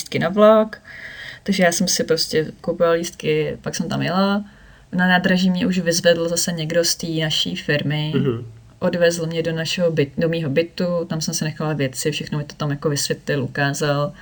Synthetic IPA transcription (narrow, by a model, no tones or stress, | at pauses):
ist̪̚kɪnavlokt̪aɡʒɛjaːsɛmsɪpɾoscɛkowpovaliːst̪̚kɪpaksɛmt̪amjɪla | nanaːd̪ɾaʒiːmɲɛʔuʒvɪzvɛdl̩zasɛɲɛɡdo̞st̪iːnaʃḭːfɪɾmɪ | ʔo̞dvɛzlomɲɛdonaʃɛɦobɪdomiːɦo̞bɪt̪ut̪amsɛmsɪnɛxalavjɛt͡sɪfʃɛxnomɪt̪ot̪amjakovɪsvjɛt̪lɪlʔukaːzal